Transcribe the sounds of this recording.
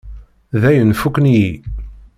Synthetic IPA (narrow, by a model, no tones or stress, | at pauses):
ðæjənfukːnji